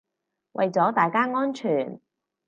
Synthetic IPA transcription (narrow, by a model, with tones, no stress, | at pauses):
wʔɐ̰˨jt͡sɔː˨˥t̪aː˨jkaː˥ŋɔː˥nt͡ʃʰyː˨˩n